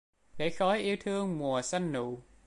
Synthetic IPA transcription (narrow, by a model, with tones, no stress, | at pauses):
ɗe˧˩xɔ˨˦jʔi˧əwt̪ʰɨ˧əŋmu˨˩əsa˧jŋnṵ˧˨